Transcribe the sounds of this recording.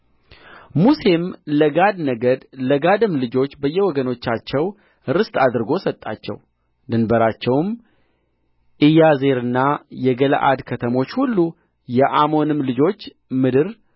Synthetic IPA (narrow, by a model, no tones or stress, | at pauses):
muse̞mləɡad̪nəɡəd̪ləɡad̪ɨmlɨd͡ʒo̞t͡ʃːbəjːɛwɔɡəno̞t͡ʃːat͡ʃːɛw | ɾɨst̪ʼad̪ɨɾɡo̞sət̪ʼːa̰t͡ʃːɛ̰w | d̪ɨnbəɾat͡ʃːɛwm | ʔɨjaze̞ɾɨnːajɛɡələ̰ʔa̰d̪kʰət̪ʰəmo̞t͡ʃːhulːu | jɛʔamo̞nɨmlɨd͡ʒo̞t͡ʃː | mɨd̪ɨɾ